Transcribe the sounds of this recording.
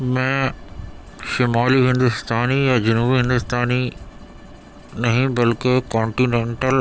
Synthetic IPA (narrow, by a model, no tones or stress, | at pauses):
mẽ | ʃɪmaːliɦɪ̃nd̪ʊst̪aːnijad͡ʑɐnuːbiɦɪ̃nd̪ʊst̪aːni | nɐɦĩbɐlkɪkɔ̃ːɳʈiːnẽːɳʈəl